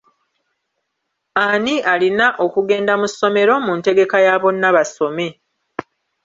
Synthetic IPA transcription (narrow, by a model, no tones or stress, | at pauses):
anialinaʔo̞kuɡe̞ːndamusːo̞me̞ɾo̞munte̞ɡe̞kajaːβo̞nːaβaso̞me̞